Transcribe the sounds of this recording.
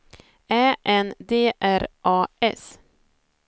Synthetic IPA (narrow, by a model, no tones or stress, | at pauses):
æːʔɛnd̪eːʔæɾʔɑːʔɛ̰s